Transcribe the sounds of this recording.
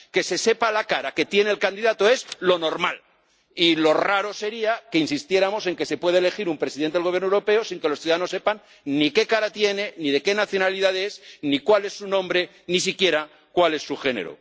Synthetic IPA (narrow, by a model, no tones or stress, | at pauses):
ke̞se̞se̞palakaɾake̞t̪je̞ne̞ːlkand̪iðat̪oe̞zlo̞no̞ɾmal | ilo̞raɾo̞se̞ɾiake̞insist̪je̞ɾamo̞se̞ŋke̞se̞pwe̞ðele̞xiɾumpɾesiðent̪eɣjeɾnoewɾo̞pe̞osiŋke̞loθjuðaðanosːe̞panː | ike̞kaɾat̪je̞ne̞niðe̞ke̞naθjo̞naliðaðe̞znikwale̞sːunõ̞mbɾe̞ | nisikje̞ɾa | kwale̞sːuxe̞nḛɾo̰